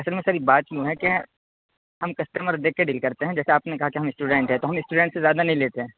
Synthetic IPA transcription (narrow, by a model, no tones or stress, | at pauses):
ɐsəlmẽsaːɾibaːt̪jũɦɛ̃ke | ɦɐmkɐsʈəməɾd̪eːkːeɖiːlkɐɾt̪eɦɛ̃d͡ʒɛːseaːpnekɐɦakeɦɐmɪsʈuːɖɛ̃ɳʈɦɛ̃t̪oɦɐmɪsʈuːɖɛ̃ɳʈsezjaːd̪anɐɦĩleːt̪eɦɛ̃ː